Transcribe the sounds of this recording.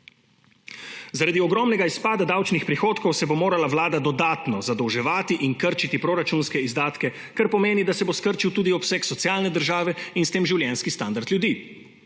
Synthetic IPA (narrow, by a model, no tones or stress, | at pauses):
zaɾad̪iɔɡɾɔːmnɛɡaispaːd̪ad̪awt͡ʃnixpɾixoːt̪kɔwsɛbomoːɾalawlaːd̪ad̪ɔd̪aːt̪nɔzad̪ɔwʒɛʋaːt̪iʔinkəɾt͡ʃit̪ipɾoːɾat͡ʃuːnskɛizd̪aːt̪kɛ | kaɾpɔmeːnid̪asɛboskəɾt͡ʃiwt̪uːd̪iɔpsɛːksɔt̪siaːlnɛd̪əɾʒaːʋɛinst̪eːmʒiwljɛnskist̪and̪aɾt̪ljud̪iː